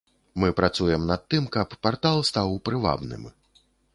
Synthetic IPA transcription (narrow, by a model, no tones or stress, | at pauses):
mɨpɾat̪sujɛmnɐt̪̚ːɨmkɐpːart̪alˠst̪awpɾɨva̰bnɨ̰m